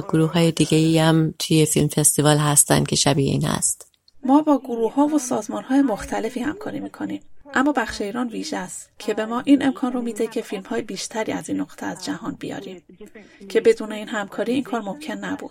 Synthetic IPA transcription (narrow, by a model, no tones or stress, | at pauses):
ɡoɾuːhɦɒːjed̪iːɡeiæmt̪ʰujefilmfest̪ivɒːlɦæst̪æ̰nd̪̥̚kʲʰe̞ʃæbiːeḭːnhæ̰st̪ | mɒːbɒːɡoɾuːhɒːvosɒːzmɒːnhɒːjemoxt̪ʰæle̞fiːhæmkʰɒːɾiːmiːkʰo̞niːmʔæmːɒːbæxʃeiɾɒːnviːʒeæst̪cʰe̞be̞mɒːʔiːnʔe̞mkʰɒːnromiːd̪e̞cʰe̞filmhɒːjebiːʃt̪ʰæɾḭːæziːnːoɣt̪ʰeæzd͡ʒæhɒːnbijɒ̰ːɾiːm | cʰe̞be̞d̪uːne̞iːnɦæmkʰɒːɾiːiːnkʰɒːɾmo̞mcʰe̞nːæbṵːd̪̥